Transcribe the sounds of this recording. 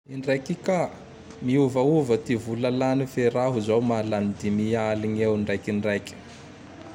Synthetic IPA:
iɳɖ͡ʐajkika | miuvauvət̪ivulalanifeɾaɦuzawmalanid̪imialiɲewɳɖ͡ʐajkiɳɖ͡ʐajkʲə̥

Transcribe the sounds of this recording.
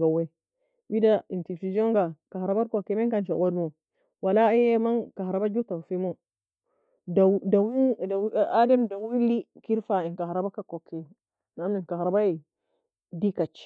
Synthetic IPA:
ɡawe | widaintifid͡ʒoŋɡakahɾabaɾkokːemeŋkant͡ʃa̰wodmo | walajemankaɾabad͡ʒutafimo | dawiademdawilːikiɾfainkahɾabakakokʰːe | naminkahɾabaje | dikat͡ʃi̥

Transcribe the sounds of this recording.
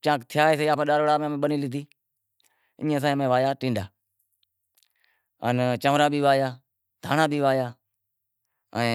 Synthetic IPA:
t͡ʃãːkt̪ʰɪjaːeːs̬iːaːpãːɗaːɾoːɽaːmẽːmẽːɓəniːlɪt̪iː | ɪ̃ːẽːs̬ãːmẽːʋaːjaːʈĩːɳɖaː | ənt͡ʃəmɾãːbiːʋaːjaː | d̪ʱaːnaːbʱiːʋaːjaː | ə̃ː

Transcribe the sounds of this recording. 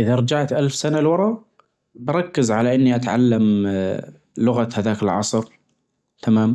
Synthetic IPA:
ʔɪðaɾˤɑd͡ʒaʕt̪ʔalfsanalwɑɾˤɑ | bɑɾˤɑkːɪzʕalaʔɪnːiʔat̪ʕalːam | lʊɣat̪haðaːkɪlʕɑ̰sˤɾ | t̪ʰamaːm

